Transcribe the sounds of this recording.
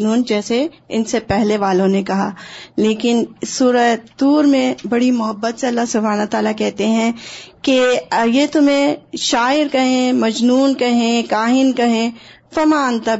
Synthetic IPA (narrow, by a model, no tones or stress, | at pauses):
nuːnd͡ʒɛːse | ɪnsepɛɦleʋaːlõnekɐɦaːleːkɪnsuːɾəd̪uːɾmẽbɐɽimʊɦəbːət̪seɐlːaɦsʊbʱaːnaɦt̪aːlakɛɦt̪eɦɛ̃kejet̪ʊmẽʃaːɪɾkɐɦẽmɐd͡ʒnuːnkɐɦẽkaːɦɪnkɐɦẽː | fɐmaːnt̪ɐ